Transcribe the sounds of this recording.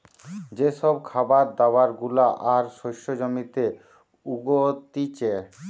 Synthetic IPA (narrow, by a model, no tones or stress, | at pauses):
d͡ʑeʃɔbkʰabaɾd̪awaɾɡulaʔaɾʃoʃod͡ʑomit̪e | uɡot̪it͡ɕe